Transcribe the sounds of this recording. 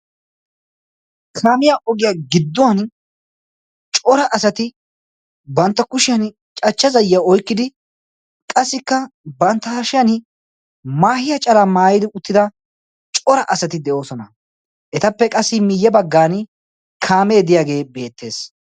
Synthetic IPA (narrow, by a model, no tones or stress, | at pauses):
kʰaːmɪjaːʔɔɡɪjaɡɪd̪ːʊwɐn | t͡ʃʼɔɾɐʔɐsɐt̪ɪ | bɐnt̪ːɐkʊʃɪjɐn | t͡ʃʼɐt͡ʃːɐzɐjːjaɔjkːɪd̪ɪ | kʼɐsːɪkːɐbɐnt̪ːɐhʃɪjɐn | maːhɪjɐt͡ʃʼɐlaːmaːjɪd̪ɪʊt̪ːɪd̪ɐ | t͡ʃʼɔɾɐʔɐsɐt̪ɪd̪ɛʔo̞ːsɔnɐ | ʔɛt̪ɐpːɛkʼɐsːɪmɪjːɛbɐɡːaːn | kʰaːme̞ːd̪ɪjaːɡe̞ːbe̞ːt̪ːe̞ːs